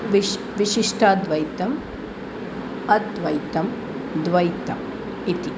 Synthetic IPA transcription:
ʋi | ʋiʃiʂʈʰaːd̪ʋɐjt̪ɐm | ɐtd̪ʋɐjt̪ɐm | d̪ʋɐjt̪ɐm | it̪i

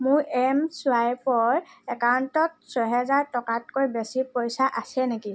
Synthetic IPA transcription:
mʊɹɛmsʊajpɔɹɛkawntɔt̚sɔjɦɛzaɹtɔkatkojbesipojsaʔasɛneki

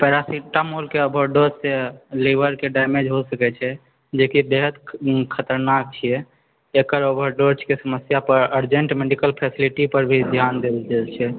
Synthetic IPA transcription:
pɛɾasiʈːamolkeəbʱəɾɖoɾsseliʋəɾkeɖajmed͡ʒɦosəkɛt͡ʃʰɛ | d͡ʒekibeɦəd̪kʰət̪əɾnak̚t͡ʃʰijɛ | ekəɾobʱəɾɖoɾt͡ʃkesəməsjapəɾəɾd͡ʒəɳʈmeɖikəlpʰɛsiliʈipəɾbʱid̪ʱjand̪eld͡ʒɛlt͡ʃʰɛ

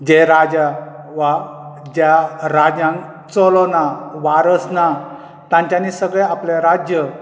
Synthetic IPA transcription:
d͡ʑeɾad͡ʑa | ʋad͡ʑjaɾad͡ʑãŋ | t͡sɔlonaʋaɾəsna | t̪ãɲt͡ɕjanisəɡɭẽapleɾad͡ʑjə

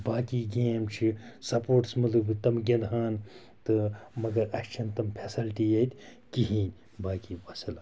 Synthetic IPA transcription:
baːkiːɡeːmt͡ʃʰisɐpoːʈsmɐlubɨt̪ɐmɡend̪ɦaːn | t̪ɨmɐɡɐɾɐʃʲt͡ʃʰɐnt̪ɐmpʰesilʈiːjɐt̪ʲ | kiɦiːnʲ | baːkiːʋɐsɐla

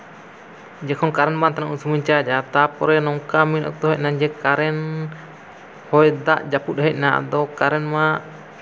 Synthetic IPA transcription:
d͡ʒɛkʰɔnkaɾɛnmant̪anaʔusuməɲt͡ʃad͡ʒat̪apɔɾɛnɔŋkaminɔ̰k̚t̪ɔɦɛc̚naɲd͡ʒɛkaɾɛn | hɔjd̪aʔd͡ʒaput̪̚ɦɛc̚na̰d̪ɔkaɾɛnmaʔ

